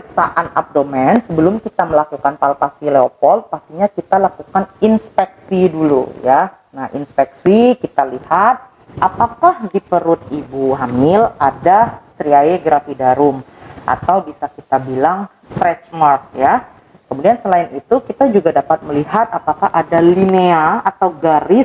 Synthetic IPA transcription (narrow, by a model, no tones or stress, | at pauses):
əksaʔana̰p̚domɛnsəbəlʊmkit̪aməlakukanpalpasileopɔl̚past̪iɲakit̪alakukaninspɛk̚sidulṵja | nahḭnspɛksikit̪alihat̪̚ | ʔapakahdipəɾʊt̪̚ibuɦamɪladast̪ɾiaeɡɾafidaɾʊmʔa̰t̪awbisakit̪abilaŋst̪ɾɛt͡ʃmark̚ja | kəmudiansəlaɪnit̪ukit̪ad͡ʒuɡadapat̪̚məliɦat̪̚apakaʔadalineaat̪awɡaɾɪs